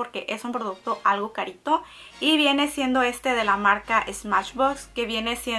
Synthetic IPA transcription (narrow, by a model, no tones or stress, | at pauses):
oɾke̞ʔe̞sumpɾo̞ðuk̚t̪o̞ʔalɣo̞kaɾit̪o̞ | iβje̞ne̞sje̞nd̪o̞e̞st̪e̞ðe̞lamaɾkaʔezmaʃβokske̞βje̞nesje